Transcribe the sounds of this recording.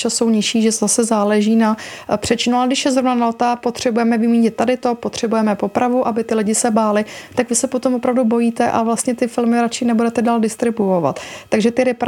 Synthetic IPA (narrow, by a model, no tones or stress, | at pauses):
t͡ʃaso̞wɲɪʃiːʒɛasɛzaːlɛʒiːnapr̝̥ɛt͡ʃɪnualɡdɪʃjɛzɾo̞vnanalt̪apo̞t̪r̝̥ɛbujɛmɛvɪmiːɲɪt̪̚ːadɪt̪o̞pot̪r̝̥ɛbujɛmɛpo̞pɾavuʔabɪt̪ɪlɪɟɪsɛbaːlɪt̪akvɪsɛpot̪omvopɾavdubo̞jiːt̪ɛʔavlast̪ɲɛt̪ɪfɪlmɪɾat͡ʃɪnɛbudɛt̪ɛdaːldɪst̪ɾɪbuova̰t̪ːaɡʒɛt̪ɪɾɪp